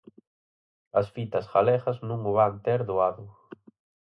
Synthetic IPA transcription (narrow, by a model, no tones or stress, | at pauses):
ɐsfit̪ɐsɣalɛɣɐznũŋʊβant̪eɾðʊaðʊ